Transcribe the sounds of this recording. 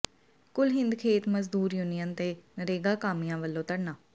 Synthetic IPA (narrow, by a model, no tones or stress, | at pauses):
kʊlɦɪ̃nd̪kʰeːt̪məzd̪uːɾjuːnijənt̪eːnəɾeːɡaːkaːmijãːʋəlːõːt̪əɽnaː